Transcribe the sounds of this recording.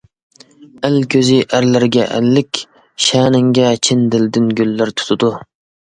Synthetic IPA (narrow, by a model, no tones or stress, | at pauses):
ælkʲʰøzɪʔæɾlɪɾɡʲɛʔæ̰lːɪkʲ | ʃæːnɪŋɡʲɛt͡ʃʰɪnd̪ɪld̪ɪnɡʲylːɪɾt̪ʰu̥t̪ʰʊd̪u